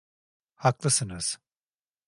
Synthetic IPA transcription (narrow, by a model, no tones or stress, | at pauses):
haklˠɯsɯnɯz̥